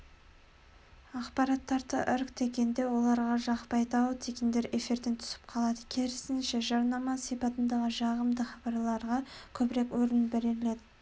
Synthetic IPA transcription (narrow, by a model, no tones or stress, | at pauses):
ɑqpɑɾɑt̪ʰːɑɾt̪ə̰ʔʏɾkt̪ʰe̞kʲe̞nd̪e̞wo̞lˠɑɾʁɑʒɑqpɑjt̪ɑwət̪ʰekʲend̪e̞ɾe̞fiɾd̪e̞nt̪ʰʏ̥sɪ̥p̚qʰɑlˠɑd̪əkʲʰeɾɪsɪnʃe̞ʒɑɾnɑmɑsijpɑt̪ənd̪ɑʁəʒɑʁəmd̪əχɑbɑɾlˠɑɾʁɑkʲʰɵbɪɾe̞kwɵɾɪnbeɾeɾle̞d̪ɪ